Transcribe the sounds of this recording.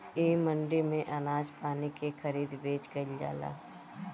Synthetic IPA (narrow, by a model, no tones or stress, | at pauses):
eːmə̃ɳɖimẽʔɐnaːd͡ʒpaːnikexʰɐɾiːd̪beːt͡ʃkɐɪld͡ʒa̰ːla̰ː